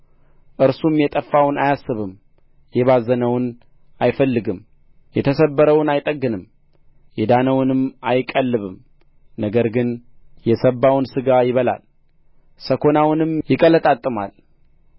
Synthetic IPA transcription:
ʔɨɾsumjɛt̪ʼəfːawnajasːɨβɨm | jɛβazənəwʊn | ʔajfəlːɨɡɨm | jɛt̪ʰəsəbːəɾəwnajt̪ʼəɡːɨnɨm | jɛd̪anəwnɨmajkʼːəlːɨβɨm | nəɡəɾɡɨnjɛsəbːawʊnsɨɡajɪβəla̰l | səkʰo̞nawnɨmjɪkʼələt̪ʼat̪ʼːɨma̰l

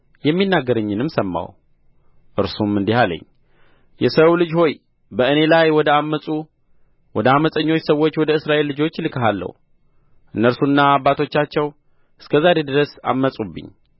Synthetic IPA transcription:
jɛmːinːaɡːəɾəɲːɨnɨmsəmːa̰w | ʔɨɾsumɨnd̪ihalə̰ɲː | jɛsəwlɨd͡ʒho̞j | bəɨne̞lajwɔd̪əamːəsʼu | wɔd̪əaməsʼəɲːo̞t͡ʃːsəwːo̞t͡ʃːwɔd̪əɨsɾaʔe̞lːɨd͡ʒo̞t͡ʃːlɨkʰəɦalːə̰h | ʔɨnːəɾsunːaːbːat̪ʰo̞t͡ʃːat͡ʃːɛw | ʔɨskʰəzaɾe̞d̪ɨɾəsa̰mːəsʼubːɨ̰ɲː

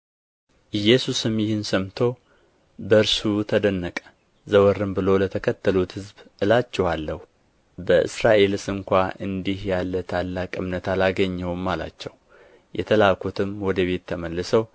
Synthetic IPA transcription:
ʔɨjːɛsusɨmjɪhɨnsəmt̪ʰo̞ | bəɨɾsut̪ʰəd̪ənːəkʼə̥ | zəwəɾɨmbɨlo̞lət̪ʰəkʰət̪ʰːəlut̪hɨzbʔɨlat͡ʃːɛwalːəhu | bəʔɨ̰sɾaʔe̞lsɨŋkʷaʔɨnd̪ihjalːət̪ʰalːakʼɨmnət̪alaɡəɲːɛwmːala̰t͡ʃːɛw | jʔɛ̰t̪ʰəlakʰut̪ʰɨmwɔd̪əβe̞t̪ʰːəməlːɨsəw

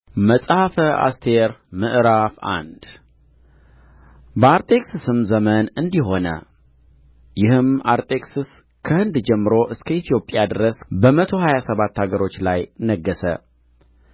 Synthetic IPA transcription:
məsʼhafəa̰st̪ʰe̞ɾmɨʔɾafa̰nd̪̥ | bəaɾt̪ʼe̞ksɨsɨmzəmənɨnd̪iɦo̞nə̰ | jɪhɨmaɾt̪ʼe̞kʼsɨs | kʰəhɨnd̪d͡ʒɛmːɨɾo̞ʔɨskʰəit̪ʰjo̞pʼjad̪ɨɾəsbəmət̪ʰo̞hajasəβat̪ːhaɡəɾo̞t͡ʃːlajnəɡːəsə̰

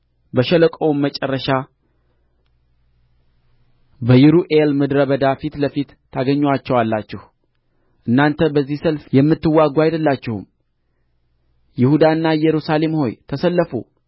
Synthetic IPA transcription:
bəʃɛləkʼowummːət͡ʃʼɛrːəʃa | bəjɪɾuʔelmɨd̪ɾəbəd̪afit̪ləfit̪ʰː | aɡəɲːwat͡ʃːɛwalːat͡ʃːɪh | ʔɨnːant̪ʰəbəzːihsəlfjɛmːɨt̪ːɨwːaɡʷajd̪əlːat͡ʃːɪhṵm | jɪhud̪aɨnːajɛɾusale̞mho̞̰jt̪ʰəsəlːəfṵ

